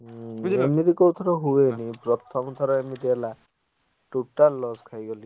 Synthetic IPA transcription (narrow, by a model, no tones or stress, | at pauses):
emnid̪ikot̪ʰɔɾɔɦuenipɾɔt̪ʰɔmɔt̪ʰɔɾɔemid̪ela | ʈuʈalːɔbkʰajɡoli